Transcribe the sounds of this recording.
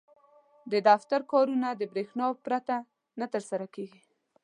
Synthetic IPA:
d̪əd̪aft̪aɾkɑɾunad̪əbɾexnɑpɾat̪a | nat̪əɾsaɾakeɡi

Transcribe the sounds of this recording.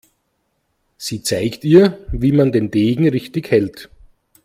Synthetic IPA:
siːt͡saɪktiːɐviːmandeːnd̥eːɡŋ̩ʁɪçtɪçhɛlt

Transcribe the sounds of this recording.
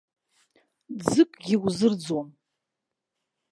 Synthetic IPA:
d͡zɨkʷʼɡʲiwzɨrd͡zon

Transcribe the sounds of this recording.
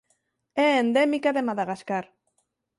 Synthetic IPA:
end̪emikaðemaðaɣaskaɾ

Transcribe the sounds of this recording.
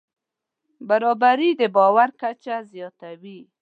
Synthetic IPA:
baɾɔbaɾid̪əbɔwaɾkat͡ʃazjɔt̪awi

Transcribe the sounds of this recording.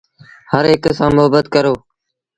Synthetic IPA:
həɾɦɪksãːmʊɦəbət̪kəɾoː

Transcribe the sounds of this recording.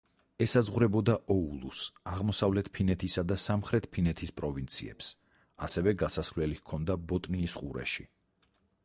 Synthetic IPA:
ɛsazʁwɾɛbɔd̪aʔɔulˠṵsaʁmɔsavlɛt̪̚ʰpʰinɛt̪ʰisad̪asamχɾɛt̪̚ʰpʰinɛt̪ʰispʼɾɔvint̪sʰḭɛ̰ps | a̰sɛvɛɡasasvlɛlikʰɔnd̪abɔt̪ʼniːsqʼuɾɛ̰ʃi

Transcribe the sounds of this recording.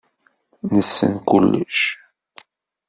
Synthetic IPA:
nəsːə̰nkʊlːʊʃ

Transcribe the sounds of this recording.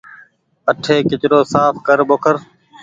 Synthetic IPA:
əʈʰeːkɪt͡ʃɾoːsaːpʰkəɾɓoːkʰəɾ

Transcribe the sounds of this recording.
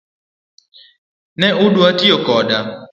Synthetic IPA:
nɛʔʊdwatiokɔda

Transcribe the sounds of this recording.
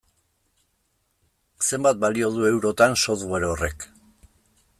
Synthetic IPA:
se̞mbat̪̚balio̞ð̞ue̞wɾo̞t̪anso̞θɣeɾore̞k

